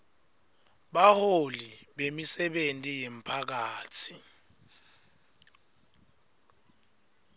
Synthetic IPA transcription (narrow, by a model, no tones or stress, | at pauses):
ɓaholiɓemisɛɓentʼijem̩pʰak̬aːtʰi